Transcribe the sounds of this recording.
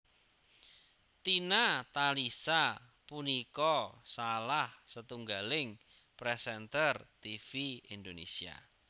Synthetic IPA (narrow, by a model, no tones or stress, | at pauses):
t̪inat̪alisa | punikɔsalahsət̪uŋɡalɪŋ | pɾɛsɛnt̪ərt̪ifiind̪onḛsia̰